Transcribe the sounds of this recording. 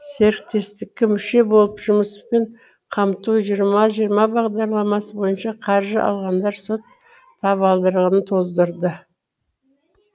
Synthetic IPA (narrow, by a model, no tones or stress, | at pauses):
se̞ɾk̚t̪ʰe̞st̪ɪk̚ʲːɪmʏʃe̞bo̞lˠəpʒʊməspe̞ɴ | qʰɑmt̪uʒijəɾmɑʒijəɾmɑbɑʁd̪ɑɾlˠɑmɑsəbo̞jənʃɑqʰɑɾʒəʔɑ̰lˠʁɑnd̪ɑɾsot̪ʰː | ɑβɑlˠd̪əɾəʁənət̪ʰo̞zd̪əɾd̪ə